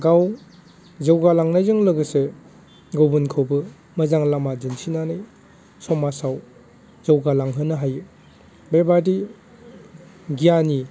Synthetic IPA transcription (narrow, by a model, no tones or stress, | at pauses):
ɡaw | zawɡalaŋnajzɯŋlɯɡɯse | ɡowbɯnkʰowbɯ | mɐzaŋlamad͡ʒɯnsʰinanɯj | sɔmasaw | zɐwɡalaŋɦɯnɯɦajɯ | bebadi | ɡijani